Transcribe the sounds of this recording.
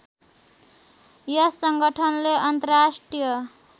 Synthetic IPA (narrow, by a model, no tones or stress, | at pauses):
jʌsʌŋɡʌʈʰʌnleʌnt̪ʌrasʈrijʌ